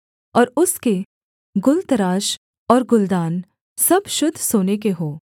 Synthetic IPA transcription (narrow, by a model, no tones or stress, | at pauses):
ɔːɾʊske | ɡʊlt̪əɾaːʃ | ɔːɾɡʊld̪aːn | sɐbʃʊd̪ʱsoːnek̬eɦoː